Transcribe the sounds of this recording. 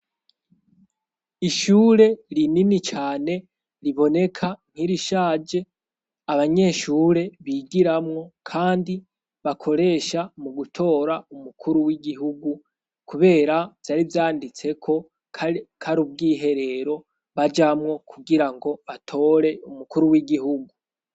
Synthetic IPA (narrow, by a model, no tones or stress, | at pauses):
iʃuːɾe̞ɾininit͡ʃaːne̞ | ɾiβo̞ne̞kʰam̥hiɾiʃaːd͡ʒe̞ | aβaɲe̞ʃuːɾe̞βiːɡiɾamŋo̞kʰaːndi | βakʰo̞ɾe̞ːʃamuɡutʰo̞ːɾaumukʰuɾuwiɡiɦuɡu | kuβe̞ːɾav̥jaɾivjaːndit͡se̞kʰo̞ | kʰaɾub̚ɡiːɦe̞ɾe̞ɾo̞ | βad͡ʒamŋo̞kʰuɡiɾaŋɡo̞βatʰo̞ːɾe̞umukuɾuwiɡiɦuɡu